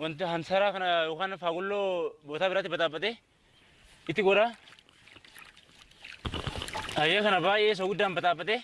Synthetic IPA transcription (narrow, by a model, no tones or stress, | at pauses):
wɐnt̪hɐnsɐɾaːkɐnɐjoːkaːnfaːɡʊlːoːboːt̪aːbɪɾaːt̪ɪbɐt̪ʼaːbɐt̪ɛ | ɪt̪ːɪɡɔɾa | hɐjekɐnɐbaːʔeːs̬oɡʊd̪ːaːnbɐt̪ʼaːbɐt̪ɛ